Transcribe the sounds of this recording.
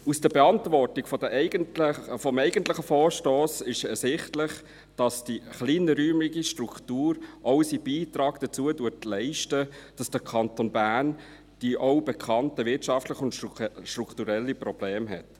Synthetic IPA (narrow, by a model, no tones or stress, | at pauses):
usd̥əbɛɑntvɔɾtiɡfɔdəʔɛɪɡəntfɔmɛɪɡəntlɪχəfɔːɾʃtoːsɪʃɛsɪχtlɪχ | d̥ɑsd̥iχliːnəɾyːmliɡiʃtɾuktuːɾʔɔʊsib̥iːtɾɑːɡ̥d̥ət͡suədutlɛɪʃtəd̥ɑsd̥əkʰɑntonbæːn | d̥iʔoʊbɛkʰɑntəvɪtʃɑftləχʊntʃtɾuktuɾɛlːiprɔb̥leːmɦɛ̰t